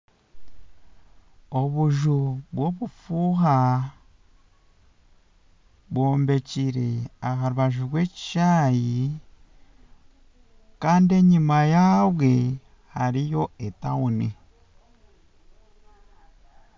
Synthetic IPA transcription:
o̞βuʒuβwo̞βufuɦa | βwo̞ːmbe̞ciɾeaɦaɾuβaʒuβwe̞ci̥ʃaːji | kaːndie̞ɲimajaβwe̞ | haɾijo̞etaunḛ

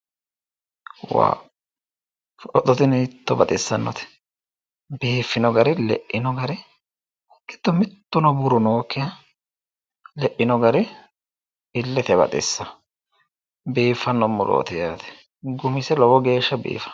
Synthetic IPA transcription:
wa̰ː | fʔɔt̪ːɔt̪ɪnɪt̪ːɔbɐt̪ʼɪsːɐnːɔ̰t̪ɛ̥ | biːfːɪnɔɡɐɾɪlɛ̰ʔːɪnɔɡɐɾɪ | kːɪ̥t̪ːɔmɪt̪ːʊnɔbʊɾʊnoːkːɪjɐ | lɛʔːɪnɔɡɐɾɪ | ɪlːɛt̪ɛbɐ̰t̪ʼɪ̰sːɐ | biːfːɐnːɔmːʊlo̰ːt̪ɪjaːt̪ɛ̥ | ɡʊmɪsɛlɔwɔɡe̞ːʃːɐbḭːfɐ̥

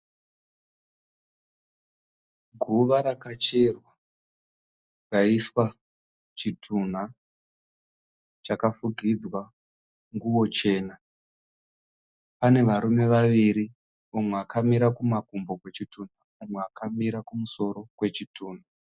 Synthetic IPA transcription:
ɡʱuʋaɾakat͡ʃerwa | raiswa | t͡ʃitʰun̤a | t͡ʃakafuɡʱid͡zwa | ŋɡuwo̞t͡ʃe̞ːna | pane̞ʋaɾume̞ʋaʋiɾi | omweakʰamiɾakumakumbo̞kwe̞t͡ʃitun̤a | omweakamiɾakumuso̞ɾo̞kwe̞t͡ʃitʰuːn̤a

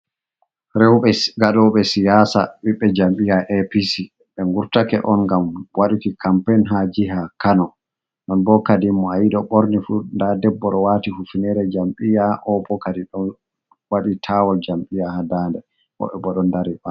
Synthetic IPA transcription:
ɾɛwɓɛɡaɗɔɓɛsijaːsa̰ɓiɓːɛd͡ʒamɓijaʔɛpisi | ɓɛŋɡuɾtakɛ̰ʔɔnŋɡamwaɗukikampɛnɦad͡ʒiɦakanɔ | ɗɔnbɔkadimːɔajiɗɔɓɔɾnifundadɛbːɔɗɔwatihufunɛɾɛd͡ʒamɓijaʔɔbɔkadiɗɔn | waɗitʰawɔld͡ʒamɓijahadaːndɛ | ʔɔ̰ɓɛbɔɗɔndaɾiʔa

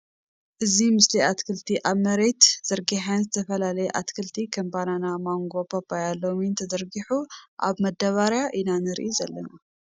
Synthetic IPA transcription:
ʔɨzimɨsliʔat̪kʰɨlt̪ʰiʔaβmɐɾe̞t̪z̥ɐɾɡiħanzɨt̪ʰɐfɐlalɐjɛʔat̪kʰɨlt̪ʰikʰɐmbananamaŋɡo̞pʰapʰajalːomint̪ʰɐzɐɾɡiħuʔa̰βmɐd̪ːɐβaɾjaʔinanɨɾʔizɐlːɐna

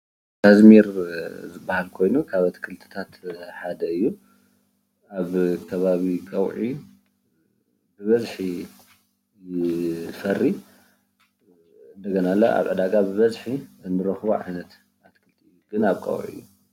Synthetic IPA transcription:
t̪ʰazmiɾzɨbːahalkʰo̞jnukʰaβat̪ʰkʰɨlt̪ʰɨ̥t̪ʰat̪ħad̪ɐɨjːu | aβkʰɐβaβikʼɐwʕi | bɨβɐzħi | jɪfɐrːi | ɨnd̪ɐɡɐnalːɐ̰ʔa̰βʕɨd̪aɡabɨβɐzħiɨnːɨɾɐxβo̰ʕa̰jnɐt̪ | at̪kʰɨlt̪ʰiɨjɡɨnaβkʼɐ̰wʕḭjːu

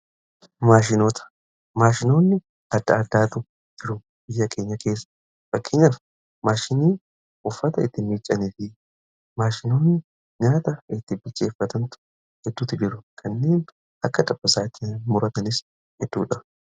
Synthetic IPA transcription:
maːʃ̬ɪnoːt̪ɐ̥ | maːʃɪno̞ːnːɪ | ɐd̪ːɐɐd̪ːaːt̪ʊ | d͡ʒɪɾʊ | bɪjːɐkʰe̞ːɲːɐke̞ːsːɐ̥ | fɐkːeːɲːɐf | maːʃɪniː | ʊfːɐt̪ɐɪt̪ːɪmiːt͡ʃʼːɐniːfɪ | maːʃɪno̞ːnːɪ | ɲaːt̪ɐɪt̪ːɪbɪlt͡ʃʼe̞ːfːɐt̪ɐnt̪ʊ̥ | hɛd̪ːʊt̪ːɪd͡ʒɪɾʊkʰɐnːe̞ːn | ʔɐkːɐt̪ʼɐb̥ːɐsaːɪt̪ːɪmʊɾɐt̪ɐnɪs | hɛd̪ːṵːᶑɐ

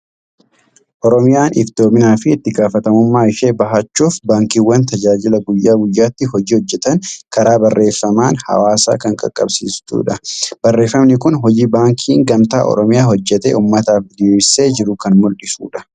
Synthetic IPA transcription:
ʔɔɾɔmɪjaːnɪbt̪o̞ːbɪnaːfɪːt̪ːɪɡaːfɐt̪ɐmʊmːaːɪʃeːbɐɦɐt͡ʃːuːfbaːŋkiːwːɐnt̪ɐd͡ʒaːd͡ʒɪlɐɡʊjːaːɡʊjːaːt̪ːɪɦɔd͡ʒiːhɔd͡ʒːɛt̪ɐŋkɐɾaːbɐrːʔe̞ːfːɐmaːnhɐ̰waːsa̰ːkɐŋkʼɐ̰kʼːɐ̰bsḭːst̪ṵːᶑɐb̥ɐrːe̞ːfːɐmnɪkʊnɦɔd͡ʒiːbaːŋkʰiːŋɡɐmt̪a̰ːʔɔ̰ɾɔmɪjaːɦɔd͡ʒːɛt̪ḛːʔuːmːɐt̪aːfɪd̪seːd͡ʒɪɾʊkɐnmʊlɗɪsṵːᶑɐ̥

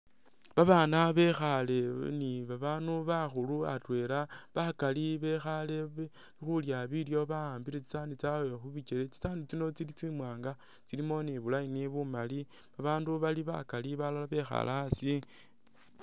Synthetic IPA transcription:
βaβaːnaβe̞xale̞niβaβaːnuβaxuluatwe̞laβakaliβe̞xale̞βe | nixuljaβiljo̞βaaːmbiɾet͡si̥saːndit͡sawexuβit͡ʃelet͡si̥saːndit͡sino̞t͡silit͡simwaːŋɡa | t͡silimo̞niβulainiβumali | βaβaːnduβaliβa̰kaliβalalaβe̞xa̰lʔasi

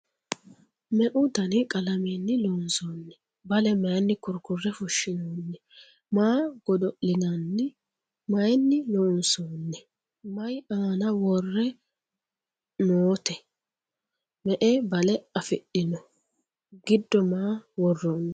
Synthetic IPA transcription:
mɛʔʊt̪ɐnɪkʼɐlɐmeːnːɪloːʊnsoːnːɛ | bɐlɛmɐjnːɪkʊɾkʊrːɛfʊʃːɪnoːnːɛ | maːɡ̥ɔd̪ɔʔɪnɐnːɪ | mɐjnːɪloːʊnsoːnːɛ | mɐjaːnɐwɔrːɛ | noːt̪ɛ | mɛʔebɐlɛɐfɪɗɪnɔ | ɡɪd̪ːɔmaːwɔrːoːnːɛ

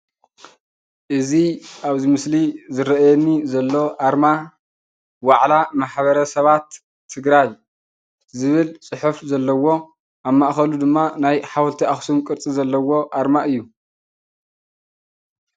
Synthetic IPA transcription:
ʔɨziʔaβzimɨslizɨɾɐʔjɛnːizɐlːo̞ʔaɾma | waʕlamaħβɐɾɐsɐβat̪ʰː | ɨɡɾaj | zɨβɨlt͡sʼɨħufzɐlːɐwo̞ | ʔaβmːaʔxɐlud̪ɨmːanajħawlt̪ʰiaxsumkʼɨɾt͡sʼizɐlːɐwo̞ʔaɾmaʔɨjːu

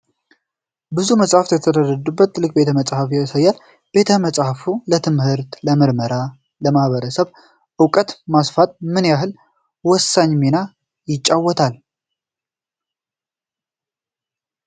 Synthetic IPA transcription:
bɨzuməsʼhaft̪jɛt̪ʰəd̪ərːəd̪ubːət̪lɨkʼbe̞t̪ʰəməsʼhafjasajːal | b̥e̞t̪ʰəməsʼhafulət̪ʰɨmhɨɾt̪ləmɨɾməɾa | ləmahβəɾəsəβ | ʔɨwkʼət̪masfat̪̚mɨnjaɦɨl | wɔsːaɲːmina | jɪt͡ʃʼːawːɔt̪ʰal

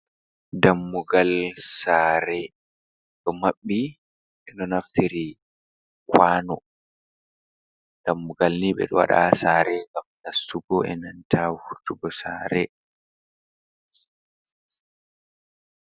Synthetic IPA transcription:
damːuɡalsaːɾɛ | ɗɔmaɓːi | ʔɛnɔnaftʰiɾi | kʰwaːnɔ | d̥amːuɡalniɓɛ̰ɗɔwa̰ɗa̰saːɾɛŋɡamnasuɡɔɛ̰nantʰahuɾtuɡɔsaːɾɛ

